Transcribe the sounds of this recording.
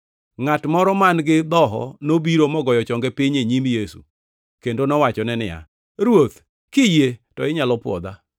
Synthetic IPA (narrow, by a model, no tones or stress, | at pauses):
ŋatmɔɾɔmanɡɪd̪ɔɦɔ̰nobiɾomɔɡɔjɔt͡ʃɔŋɡɛpɪɲeɲimjesṵ | kendonɔwat͡ʃɔnɛnɪja̰ | ɾwot̪ | kɪjetɔɪɲalɔpwɔ̰d̪a